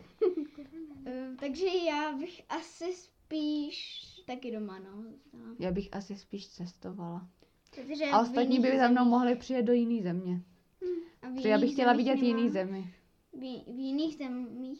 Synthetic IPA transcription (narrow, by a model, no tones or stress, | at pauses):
t̪aɡʒɛjaːbɪxʔasɪspiːʃt̪akɪdomanozust̪alajaːbɪxʔasɪspiːʃt͡sɛst̪ovala | ɛt̪oʒɛaost̪at̪ɲiːbɪzamnowmo̞ɦlɪpr̥ɪjɛt̪̚dojɪniːzɛmɲɛ | ɛjaːbɪxcɛlavɪɟɛt̪jɪniːzɛmɪ | vjɪniːɣzɛmiː